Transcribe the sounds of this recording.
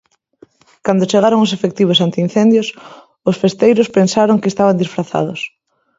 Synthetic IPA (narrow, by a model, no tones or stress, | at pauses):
kand̪ot͡ʃeɣaɾoŋʊsefekt̪iβ̞osant̪ɪin̟θend̪jʊs | ʊsfest̪ejɾʊspensaɾoŋkeːst̪aβand̪isfɾaθa̰ðʊ̰s